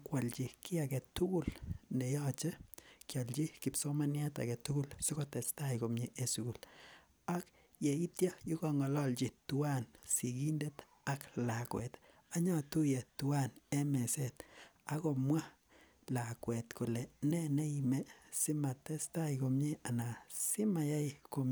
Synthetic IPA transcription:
kwa˨lt͡ʃi˨kɪ˦akɛ˨tːu˦ku˨lnɛ˨jɔ˦t͡ʃe˦kjɔ˨lt͡ʃi˦kɪ˨pso˦ma˦nja˦ta̰˨kɛ˨tːu˦ɡu˦lsi˦ko˦tɛ˨sta˦jko˨mɲe˦ʔe˦su˨ku˨l | a˦k | je˨i˦tjɔ˦ju˦kɔ˨ŋɔ˨lɔ˦lt͡ʃi˨tu˦wa˦nsi˨ki˦nde˦t | a˦kla˨kwɛ̰˨t | a˦ɲɔ˦tu˦je˨tu˨wa˦ne˦mɛ˨se˦ta˦kɔ˨mwa˦ | la˨kwɛ˨tkʊ˨lɛ˨nɛ˦ne˦imɛ˨sɪ˦ma˨tɛ˦sta˦jko˨mɲe˦a˨na˨sɪ˦ma˨ja˦jko˦m

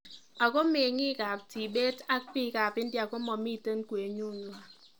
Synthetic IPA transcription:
a˨ko˦me˨ŋi˦ka˨p̚ti˨be˦ta˦kpi˦ka˨pi˦n̩˦di˦a˨ko˦mɔ˨mi˦˨tə˦n˦kwe˨ɲu˦˨nwa˨

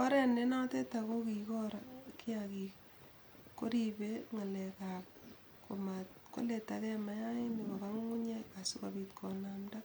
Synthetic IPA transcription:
kɔ˦ɾɛ˦ne˦na˦te˦tako˦ki˨kɔ˦ɾaki˦aki | ko˦ɾibeŋa˨lɛkak̚ | ko˨mat̚ | ko̰˦le˨takɛ˦ma˦ja˦i˦nikɔ˨ka˦ŋu˦ɲe˦ka˨su˦kabitkʰɔnamda˦

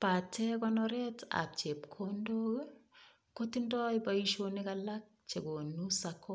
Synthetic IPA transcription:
pa˨tɛ˦kɔ˦nɔɾɛ˦ta̰˨p̚t͡ʃe˨p̚kʰo˦ndo˦ | ko˦ti˦ndɔ˦jba˦i˦ʃo˦ni˦ka˨la˦k̚t͡ʃe˨ɡo˨nu˦sakɔ˦

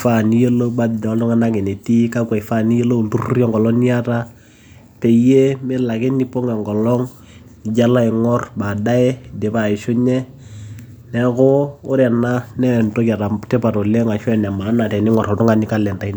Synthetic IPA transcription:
fa˦˨ni˦je˦lo˦ba˦dɪ˨dɔ˦ltʊ˦ŋa˦na˦ke˨ne˨ti˦ka˦ka˨ɪ˨fa˦˨ni˦je˦lo˦u˨tu˦ru˦rjɔ˦ŋɡɔ˨lɔ˦ni˦a˦ta˦ | pe˨je˦mɪ˦la˨kɪ˦ni˦po˦ŋɛ˨ŋɡɔ˨lɔ˦ŋ | ɪ˨d͡ʒa˦la˦ɪ˨ŋɔ˦rba˨da˦ɛ˦de˨pa˨ɪ˨ʃʊ˦ɲɛ˦ | nɛ˦kʊː˦ɾɛ˨na˦nɛ˦˨nto˦ka˨ɾa˨tɛ˦pa˨ɾo˨le˦ŋa˨ʃɔ˦ɛ˨nɛ˨ma˨˦na˨tɛ˨nɪ˦ŋɔ˨ɾɔ˨ltʊ˦ŋa˨˦nɪ˦ka˦lɛ˨nta˨i˦n

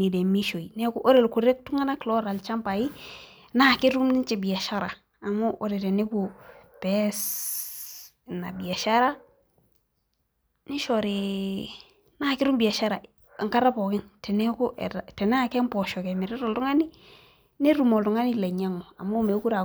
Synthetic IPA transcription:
ni˨de˨mi˦ʃo˨i˨ne˦ku˦ʔo˦ɾe˨lku˨ɾe˦k̚tu˦ŋa˦na˦klɔ˦ɾa˨lt͡ʃa˦mpa˨ji˦ | na˦˨ki˦ɾu˦mni˦t͡ʃe˨bi˨a˨ʃa˦ɾa˨ | a˨mo˦ʔo̰˨˦ɾe˨te˨ne˦ku˨pɛ˦s | na˨bi˨a˨ʃa˦ɾa˦ | ni˦ʃɔ˨ɾi˨ | na˦˨kɪ˦ɾu˦mbi˨a˨ʃa˦ɾa˨ | ŋka˦ɾa˦pɔ˨kɪ˦nte˨ne˦ku˦ʔḛ˨ta˨tɛ˨n˦a˨ke˦mpɔ˨ʃɔ˨ke˨mi˨ɾe˦ɾɔ˨ltu˦ŋa˦ni˦ | ne˦ɾu˨mo˨ltu˨ŋa˦ni˦le˨ɲa˦ŋo˨a˨mo˦˨me˨˦ku˦ɾa˨

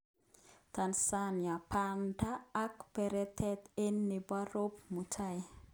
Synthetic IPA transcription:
t̪ansanja˨pandaː˦kpɛ˨ɾɛ˦t̪ʰɛ˦t̪e˦nːi˨ba˦ɾo˦p̚mu˨tʰaj

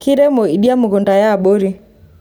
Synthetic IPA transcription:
ki˦ɾɛ˦mɔ˨i˨ɗi˦a˦mʊ˨ɣo˨nda˨jaː˦˨ɓo˦ɾi˦

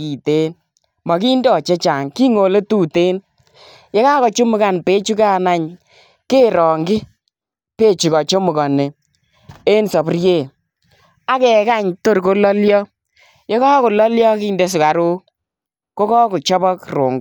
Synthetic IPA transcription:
i˨te˦n | mɔ˨ki˦ndɔ˨t͡ʃe˦t͡ʃa˨ŋki˦ŋo˨le˦tuː˦˨te˦n | je˦kaː˦kɔ˨t͡ʃo˦mʊ˦ka˨npe˦t͡ʃu˦kaː˦˨na˨ɲ | keː˦ɾɔ˨ŋɡɪ˦ | pe˦t͡ʃu˨kɔ˨t͡ʃo˦mʊ˨kɔ˨nɪ˨ | e˦nsɔ˨prje˦˨ | a˦kɛ˨ka˦ɲto˦ɾko˦lɔ˦ljɔ˦ | jɔ˦ka˦ko˨lɔ˦ljɔ˦kiː˦nde˦s̬ʊ˨ka˨ɾu˦ | ko˦kɔ˦ku˨t͡ʃɔ˦bɔ˦kro˨ŋɡ

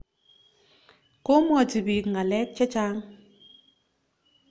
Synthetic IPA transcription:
ko˦mɔ˨ti˨bi˨kŋ̩˨ɡa˨lɛ˦k̚t͡ʃɛ˦t͡ʃa˦ŋ

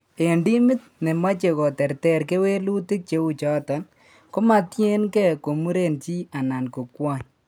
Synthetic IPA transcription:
e˨ndi˦mɪ˦t̚ne˨ma˦t͡ʃe˨kɔ˨tɛ˨rtɛ˦ɾke˦we˦lu˦ti˦k̚t͡ʃe˦u˦t͡ʃɔ˦ta˨n | ko˦ma˨tje˦nkɛ˦ko˨mu˦ɾe˨nt͡ʃi˦a˨na˨nko˨kwa˦ɲ

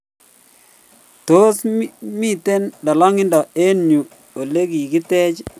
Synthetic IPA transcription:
to˦smi˦te˦ndɔ˨lɔ˦ŋɪ˦ndɔ˨e˦nju˨ | o˨le˦ɡi˨ɡɪ˦tɛ˦t͡ʃ

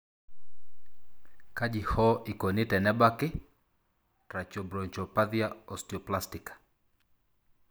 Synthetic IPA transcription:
ka˦ʄi˨hɔ˦ʔi˨kɔ˨ni˦tɛ˨nɛ˦ba˦kɪ˦ | tɾa˨t͡ʃɔbɾɔ˨ɲt͡ʃɔ˨paðia˦ɔ˨sti˨ɔ˨plasti˨kḁ

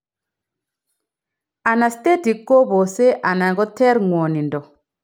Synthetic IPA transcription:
a˨na˨ste˦ti˨kːo˦bo˨se˦ʔa˨na˨ɡɔ˦tɛ˦ɾŋwɔ˨ni˨ndɔ˨

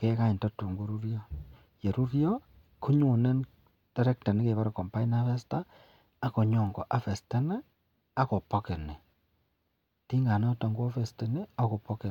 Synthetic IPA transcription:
keː˦ka˦i˨nta˦tu˨ŋɡu˦ɾu˦ɾjo˦ | je˨ɾu˦ɾjo˦ | ku˦ɲo˨ne˦n | d̥e˦ɾe˦k̚ta˨ne˦ke˨βa˦ɾa˨ko˨mpa˦i˦na˦fe˦sta˦ | a˨ko˨ɲo˨ŋɡɔ̰˨ʔa˨fe˨ste˦ne˦ | a˦ko˨po˦ke˨ne˨ | ti˦ŋɡa˨no˦ta˨ŋɡo˦fe˨ste˦ne˦a˦ko˨po˦ke˨

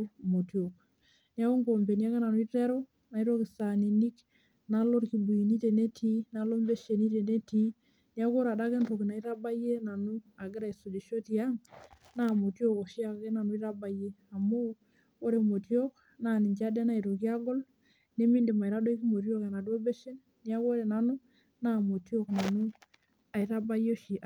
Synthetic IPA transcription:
mo˨ti˨o˨k | ni˦a˦ko˦ŋko˨mpe˨ni˦a˦ke˦na˨nu˦i˦te˦ɾo˦ | na˨i˦ɾo˦ki˨sa˨ni˨ni˦k | na˦lo˦ɾki˨bu˨i˨ni˦te˨ne˦tʰi˦na˦lo˦mbe˦ʃe˨ni˦te˨ne˦ti˦ | nja˦ko˦ɾa˨da˦ke˦nto˨ki˨na˨i˦ɾa˦ba˦je˦na˨nu˦a˨ɡɪ˦ɾa˨i˨so˨d͡ʒe˨ʃo˦ti˨a˦ŋ | na˦˨mo˨tjo˦˨ko˨ʃi˦a˨ke˦na˨nu˦i˦ɾa˦ba˦je˦a˨mo˦ | o˦ɾe˨mo˨tjo˦k | na˦˨ni˨ɲt͡ʃa˦de˦na˦i˨ɾo˨ki˦a˦ɡɔ˦l | ne˦mi˦ndi˨ma˨i˨ɾa˦do˦i˦ki˦mo˨t̬i˦o˦ke˨na˨de˦be˦ʃe˦n | ni˦a˦ko˦ɾe˨na˨nu˦ | na˦˨mo˨ti˦o˦kna˨nu˦ | a˨i˨ɾa˦ba˦jo˦ʃi˨ʔ

